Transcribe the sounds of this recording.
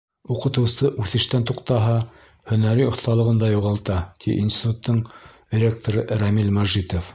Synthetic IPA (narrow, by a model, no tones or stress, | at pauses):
uqɤ̆t̪ɤ̆wsɤʔʉθɘ̆ʃt̪ænt̪uqt̪ɑɦɑ | hɵ̆næɾiŏθt̪ɑlˠɤ̆ʁɤ̆nd̪ɑjuʁɑlˠt̪ɑt̪ḭʔḭnsʲit̪ut̪ːɤɴd̪ʲɪɾʲe̞k̚t̪oɾɤɾæmilmæʒit̪of